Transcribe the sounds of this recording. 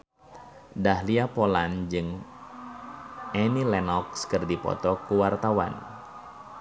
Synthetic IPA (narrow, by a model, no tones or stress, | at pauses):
dahliapɔland͡ʒɨŋ | ɛnilɛnɔk̚skɨrdipɔ̰t̪ɔkuwart̪awa̰n